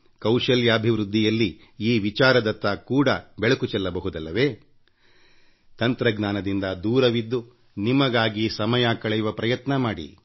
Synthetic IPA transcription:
kɐwʂɐljɐːbʱiʋɾud̪ʱːijɐlːi | iːʋit͡ʃaːɾɐd̪ɐt̪ːɐkuːɽɐbɛɭɐkut͡ʃɛlːɐbɐɦud̪ɐlːɐʋe̞ː | t̪ɐnt̪ɾɐɡnaːnɐd̪ind̪ɐd̪uːɾɐʋid̪ːu | nimɐɡaːɡisɐmɐjakɐɭɐjuʋɐpɾɐjɐt̪nɐmaːɽḭ

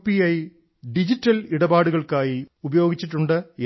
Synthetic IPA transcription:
pːiɐj | ɖid͡ʑiʈːɐliɽɐbaːɽuɣɐɭkaːjiubɐjo̞ːɡit͡ɕːiʈːuɳɖɨ

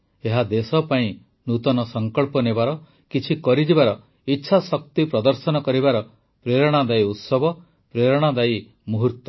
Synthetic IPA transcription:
eɦad̪esɔpaĩ | nut̪ɔnɔsɔŋkɔɭpɔnebaɾɔ | kit͡ʃʰikɔɾid͡ʒibaɾɔ | itːʃʰasɔk̚t̪ipɾɔd̪ɔɾsɔnɔkɔɾibaɾɔ | pɾeɾɔɽ̃ad̪ajut̪sɔbɔ | pɾeɾɔɽ̃ad̪aj | muɦuɾt̪ɔ

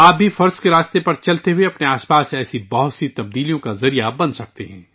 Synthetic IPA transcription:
aːp̚bʱifɐɾzkeɾaːst̪epɐɾt͡ʃɐlt̪eɦʊeɐpneaːspaːsɛːsibɐɦʊt̪sit̪ɐb̚d̪iːlijõkazɐɾijabɐ̃nd̪sɐk̚t̪eɦɛ̰̃ː

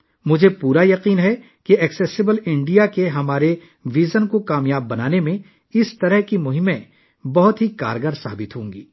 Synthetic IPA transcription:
mʊd͡ʒʱepuːɾajɐqiːnɦɛ | keɛksɛsɪbəlɪ̃ɳɖijakeɦɐmaːɾe | ʋiːzənkokaːmjaːbːɐnaːnemẽ | ɪst̪ɐɾəɦkimʊɦɪmẽ | bɐɦʊt̪ɦika̰ːɾɡəɾsa̰ːbɪt̪ɦõːŋɡiː

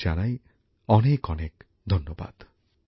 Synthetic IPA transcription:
d͡ʒanaj | ɔnekɔnek | d̪ʱɔnːoba̰d̪̥

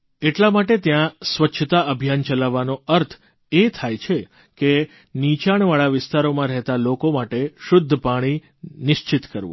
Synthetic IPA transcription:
eʈlamaʈet̪jãsʋətːʃʰət̪aəbʱjant͡ʃəlaʋːanoəɾt̪ʰ | et̪ʰajt͡ʃʰe | ke | nit͡ʃaɽ̃ʋaɭaʋɪst̪aɾomãɾɛɦt̪alokomaʈeʃʊd̪ʱːəpaɽ̃i | nɪʃt͡ʃɪt̪kəɾʋṵ̃

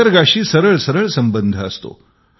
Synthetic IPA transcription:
əɾɡaɕiːsəɾəɭsəɾəɭsəmbənd̪ʱəːst̪o̰

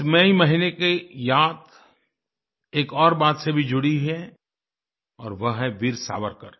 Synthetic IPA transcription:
ɪmeimɐɦinekejaːt̪ | eːkɔːɾbaːt̪sebʱid͡ʒʊɽiɦɛ | ɔːɾʋɐɦɦɛʋiɾsa̰ːʋəɾkəɾ

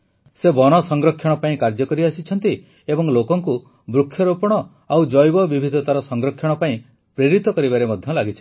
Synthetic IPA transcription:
sebɔnɔsɔŋɡɾɔkʰːjɔɽ̃ɔpaĩkaɾd͡ʒɔkɔɾiasit͡ʃʰɔnt̪i | ebɔŋlokɔŋku | bɾukʰːjɔɾopɔɽ̃ɔ | awd͡ʒɔjbɔbibʱid̪ʱɔt̪aɾɔsɔŋɡɾɔkʰːjɔɽ̃ɔpaĩ | pɾeɾit̪ɔkɔɾibaɾemɔd̪ʱjɔlaɡit͡ʃʰi̥

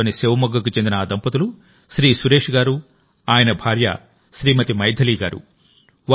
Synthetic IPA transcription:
oːniseːʋɐmɐɡːɐk̬ut͡ʃend̪inɐːd̪ɐmpɐt̪̬ulu | ʃɾiːsuɾe̞ːʂɡaːɾu | aːjɐnɐbʱaːɾjɐ̰ | ʃɾiːmɐt̪imɐjd̪ʱɐliːɡaːɾṵ | ʋa

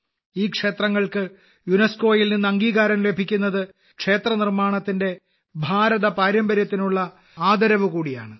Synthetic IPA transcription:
iːkʂe̞ːt̪rɐŋːɐɭkɨ | junɐsko̞ːjilninːɐŋɡiːɣaːɾɐmle̞bʱikʲːunːɐðɨ | kʂe̞ːt̪rɐnirmaːɳɐt̪ːinde̞ | bʱaːɾɐðɐpaːɾjɐmbɐɾjɐt̪ːinuɭːɐ | aːd̪ɐɾɐʋɨkuːɽija̰ːɳɨ

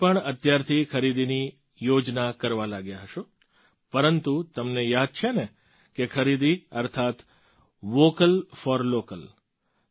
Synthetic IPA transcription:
pəɳət̪jaɾt̪ʰikʰəɾid̪ini | jod͡ʒnakəɾʋalaɡjaɦəʃo | pəɾənt̪ut̪əmnejad̪̚t͡ʃʰene | kekʰəɾid̪iəɾt̪ʰat̪ | ʋokəlfɔɾlokəl

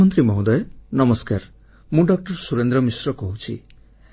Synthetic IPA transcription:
ɔnt̪ɾimɔɦũd̪ɔjenɔmɔskaɾ | mũɖɔk̚ʈɔɾsuɾend̪ɾɔmisɾɔkɔɦut͡ʃʰḭ

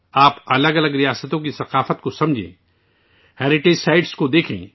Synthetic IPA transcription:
aːpɐləɡɐləɡɾijaːsət̪õk̬isɐqaːfət̪kosɐ̃md͡ʒʱḛ̃ː | hɛːɾɪʈeːd͡ʒsaːɪɖskod̪eːkʰḛ̃ː

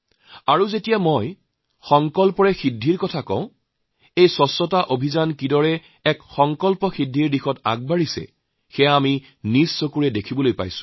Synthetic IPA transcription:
aɹuzetijamoj | xɔŋkɔlpɔɹɛxidʱːiɹkɔtʰakɔ̰̃ʊ̃ | ejsɔsːɔtaʔobʱizankidɔɹɛ | ɛkxɔŋkɔlpɔxidʱiɹdixɔta̰ɡ̚baɹisɛ̰ | xɛjaːmi | nizsokuɹɛdekʰibɔlojpa̰jsʊ̥

